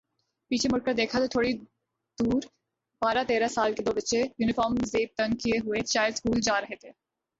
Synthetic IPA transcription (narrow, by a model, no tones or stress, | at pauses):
piːt͡ʃʰemʊɾkəɾd̪eːkʰat̪ot̪ʰoːɽi | d̪̥uːɾ | b̥aːɾat̪eːɾasaːlked̪oːbətːʃejuːnɪfɔːɾmzeːp̚t̪ənkieɦʊet͡ʃaːɪlskuːld͡ʒaːɾɐɦet̪ʰeː